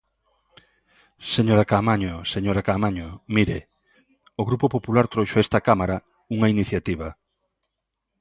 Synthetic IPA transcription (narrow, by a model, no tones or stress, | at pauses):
seɲoɾakamaɲoseɲoɾakamaɲomiɾe | oɣɾupopopulaɾt̪ɾojʃoɛst̪akamaɾa | uŋainiθjat̪iβɐ